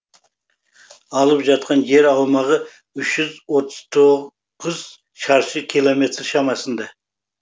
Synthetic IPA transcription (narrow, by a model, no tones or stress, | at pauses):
ɑlˠəpʒɑt̪̚qɑnʒe̞ɾɑwmɑʁə | ʏʃʒʏzwot̪ʰəz̥t̪ʰo | qʊz | ʃɑɾʃəkʲʰilˠome̞t̪ɾʃɑmɑsənd̪ɑ